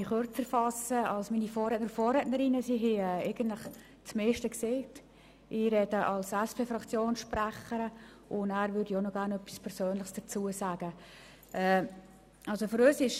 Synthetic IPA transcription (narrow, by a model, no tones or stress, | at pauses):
iχʊɾt͡sɛɾfɑsəɑlsmiːnifɔːrɾɛːtnəɾfɔːrɾɛtnəɾɪnəsiɦɪɛeɪɡ̥ən̩tlɪχ | t͡smeːʃtəkseːt | ʔɪɾɛd̥əʔɑlsɛspʰeːfɾɑkt͡sjoːnsʃpræχəɾə | ʔʊndæːɾvʏɾdionɔɡ̥æːɾnœpːi̥spʰɛɾsøːnlɪχsd̥ət͡suəsæːɡə | ʔɛː | ɑlsofɨɾøːsɪʃ